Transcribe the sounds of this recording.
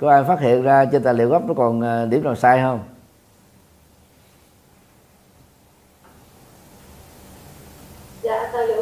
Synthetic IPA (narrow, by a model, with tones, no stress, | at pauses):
kɔ˨˦ʔaː˧jfaː˦˥t̚hḭ˧˨ənzaː˧t͡ɕe˧nt̪aː˨˩jlḭ˧˨əwɣɔ˦˥p̚nɔ˨˦kɔ˨˩nː˨˩ɗi˨˧˦əmnaː˨˩saː˧jɦəː˧ŋ͡m | zaː˧˨t̪ʰa˧lo̰˧